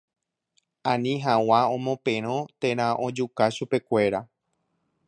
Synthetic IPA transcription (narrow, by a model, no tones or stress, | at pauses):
ãnĩɦawaõmõpẽɾ̃õt̪ẽ̞ɾ̃ãʔõd͡ʒukaʃupe̞kʷe̞ɾa